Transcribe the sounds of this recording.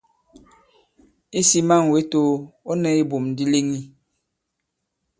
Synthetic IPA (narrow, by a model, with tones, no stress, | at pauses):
i˦si˦ma˦˨ŋ˨we˨˦to˦o˦nɛ˨i˦bo˨mn˨di˦le˦ŋi˦